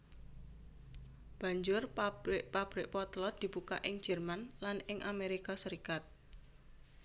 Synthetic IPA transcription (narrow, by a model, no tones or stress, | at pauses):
b̥a̤ɲd͡ʒʊrabɪʔpab̥ɾɪʔpɔt̪lɔt̪̚d̪̥i̤b̥uka̰ʔɪŋ̥d͡ʒ̥ɛ̤rmanlanɪŋʔameɾikasəɾikat̪̚